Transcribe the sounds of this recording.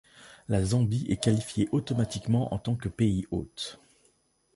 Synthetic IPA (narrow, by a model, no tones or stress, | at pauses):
lazɑ̃biʔɛkalifjeʔot̪ɔmat̪ikmɑ̃ʔɑ̰̃t̪ɑ̃kəpeio̰t̪